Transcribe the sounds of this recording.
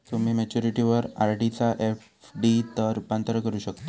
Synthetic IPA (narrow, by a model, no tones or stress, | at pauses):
t̪um̤iːmet͡ɕuɾiʈiʋəɾaɾɖit͡saʔef | ɖit̪əɾupant̪ɾəkəɾuːɕəkt̪a